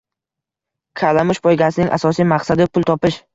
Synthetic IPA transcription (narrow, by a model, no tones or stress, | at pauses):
kʲʰalamʊʃpʰojɡʲasɪnɪŋʔa̰sɒsijmaqsad̪ɪpʰʊlˠt̪ʰɒpɪʃ